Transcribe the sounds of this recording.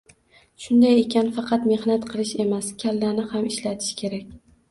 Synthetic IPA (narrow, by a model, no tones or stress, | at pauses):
ʃʊnd̪aje̞kʲʰanfɑqʰɑt̪me̞hnat̪qʰɨlˠɪʃe̞maskʲʰalːanɪhamɪʃlat̪ʰɪ̥ʃkʲʰe̞ɾakʲ